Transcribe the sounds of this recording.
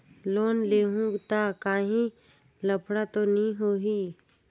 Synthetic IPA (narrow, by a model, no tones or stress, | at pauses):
loːnleːɦũt̪akaːɦĩ | ləpʰɽat̪onəɦĩɦoːɦiː